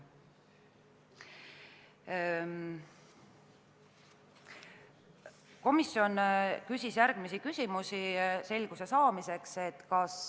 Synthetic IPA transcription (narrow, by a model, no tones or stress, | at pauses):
ko̞misjo̞nkysʲisjæɾɡ̥misikysʲimusise̞lʲɡ̥use̞sɑːmise̞kse̞t̪kɑs